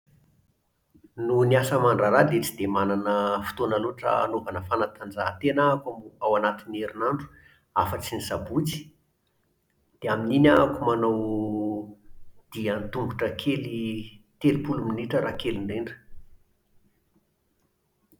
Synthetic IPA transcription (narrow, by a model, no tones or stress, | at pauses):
nuniasəmaɳɖ͡ʐaɾad̪et͡sid̪emananəfi̥t̪onaloʈ͡ʂə̰a̰novanəfanat̪ʰand͡zaɦt̪enakamuawanat̪inieɾinaɳɖ͡ʐu̥ | afət͡sinizabut͡si̥ | d̪̥eamininʲakumanaw | d̪̥iant̪uŋɡuʈ͡ʂəkʰelit̪elipuluminiʈ͡ʂəɾakeliɳɖ͡ʐeɳɖ͡ʐə̥